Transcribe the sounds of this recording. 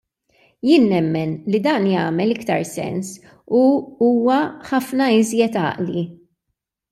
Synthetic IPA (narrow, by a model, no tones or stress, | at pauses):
jɪːnːɛmːɛnlid̪ɐːnjɐːmɛlɪkt̪ɐɾsɛ̰ns | uuːwɐħɐfnɐɪzjɛt̪ɐ̰ːʔli